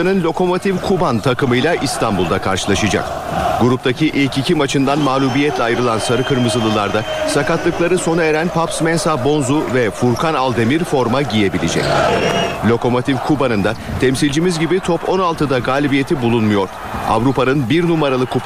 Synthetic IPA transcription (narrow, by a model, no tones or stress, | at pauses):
anɯnlʲo̞ko̞mo̞t̪ʰifkʰubant̪ʰakɯmɯjlʲˠaʔist̪ʰambulˠd̪akʰaɾʃɯlˠaʃad͡ʒa̰k̚ | ɡ̥uɾup̚t̪ʰacʰiʔilʲcicʰimat͡ʃʰɯnd̪anmaːlʲubijɛt̪lʲɛajɾɯlˠansaɾɯkʰɯɾmɯzɯlˠɯlˠaɾd̪a | sakat̪lˠɯklˠaɾɯso̞naeɾænpʰapsmɛnsabo̞nzuvɛfuɾkʰanalˠd̪e̞miɾfo̞ɾmaɟije̞bilʲid͡ʒɛ̰c | lʲo̞ko̞mo̞t̪ʰifkʰubanɯnd̪at̪ʰɛmsilʲd͡ʒimizɟibit̪ʰopʰo̞nalˠt̪ɯd̪aɡaːlʲibije̞t̪ʰibulˠunmujo̞ɾ̥ | a̰vɾupʰanɯnbiɾnumaɾalˠɯku